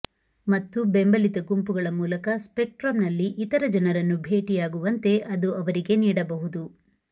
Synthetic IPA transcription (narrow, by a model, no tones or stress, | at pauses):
mɐt̪ːubembɐlit̪ɐɡumpuɡɐɭɐmuːlɐkɐspek̚ʈɾɐmnɐlːiʔit̪ɐɾɐd͡ʒɐnɐɾɐnːubʱe̞ːʈijaːɡuʋɐnt̪e̞ʔɐd̪uʔɐʋɐɾiɡe̞niːɽɐbɐɦud̪u